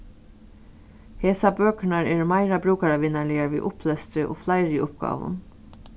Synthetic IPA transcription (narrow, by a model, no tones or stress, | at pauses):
heːsabøːknaɹeːɹmaɪɾabɾuːkaɾaʋɪːnalɪaɹʋḭːʔʊpʰlɛst̪ɾɪʔo̰ːflɑɪɾɪʊp̚ɡ̥ɑ̰ːʋʊ̰n